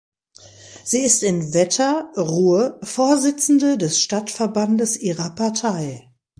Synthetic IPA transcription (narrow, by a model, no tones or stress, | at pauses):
z̥iːɪstɪnvɛtʰɐʁuːəfoːɐzɪt͡sn̩dədɛsʃtatfɛɐbandəsʔiːʁɐpaɐtʰaɪ